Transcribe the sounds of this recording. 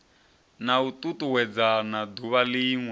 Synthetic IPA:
naut̪ʼutuwɛd͡zanad̪uβaliːŋwɛ

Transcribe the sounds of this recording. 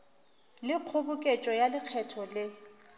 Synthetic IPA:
lɪq͡χʰʊbʊkʼet͡ʃʼɔjalɪq͡χʰɛtʰɔlɪ

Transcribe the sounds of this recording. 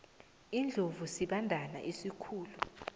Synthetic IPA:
ind͡ɮʱovusiɓandʱana̰ʔisikʰuːlu

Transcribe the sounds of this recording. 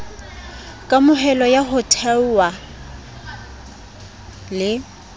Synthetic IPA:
kʼamʊɦɛlɔjaɦʊtʰɛwa | lɪ

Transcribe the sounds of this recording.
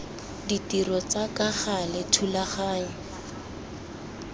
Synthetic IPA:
ditirɔt͡sakaχalɪtʰulaχaːɲ̩

